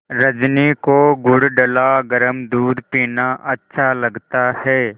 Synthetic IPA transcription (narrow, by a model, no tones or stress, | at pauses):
ɾɐd͡ʒnikoɡʊɽɖəlaɡəɾəmd̪uːd̪piːnaʔɐtːʃʰalɐɡt̪ahɛː